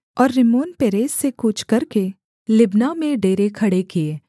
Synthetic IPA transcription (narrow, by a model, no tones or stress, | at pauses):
ɔːɾːɪmoːnpeːɾeːsːekuːt͡ʃʰkɐɾke | lɪbnamẽɖeːɾekʰɐɽekee